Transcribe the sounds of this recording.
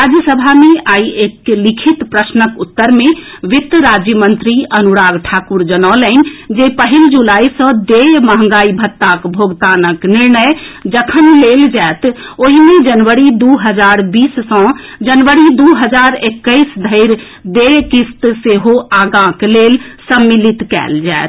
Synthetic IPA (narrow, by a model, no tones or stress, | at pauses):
ɾad͡ʒjəsəbʱameaieklikʰit̪pɾəsnəkut̪ːəɾmẽ | ʋɪt̪ɾad͡ʒjəmənt̪ɾiənuɾaɡʈʰakuɾd͡ʒənɔlənd͡ʒepəɦild͡ʒulaːisɔ̃d̪eməɦə̃ŋ̆ɡaːibʱət̪ːakbʱoɡt̪anəkniɾnəjd͡ʒəkʰənleld͡ʒɛet̪oɦimed͡ʒənʋəɾid̪uɦəd͡ʒaɾbiːssə̃ | d͡ʒənʋəɾid̪uɦəd͡ʒaɾekːəɪsd̪ʱəɪɾ | d̪ekist̪seɦoaɡãklelsəmːilit̪kɛ̰ld͡ʒa̰et̪